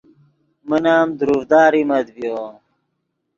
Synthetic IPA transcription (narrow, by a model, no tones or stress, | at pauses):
mənaːmd̪uɾuvd̪aːɾimɐd̪bjo